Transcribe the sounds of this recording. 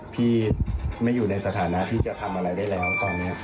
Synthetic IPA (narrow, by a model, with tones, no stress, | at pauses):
pʰiː˥˩ma˥˩jːuː˨˩na˧jsa˧t̪ʰaː˩˦na˦˥t̪ʰiː˥˩t͡ɕa˨˩t̪ʰa˧mʔa˧ɾa˧jdaː˥˩jlɛː˦˥˦t̪ɔː˧nːiː˦˥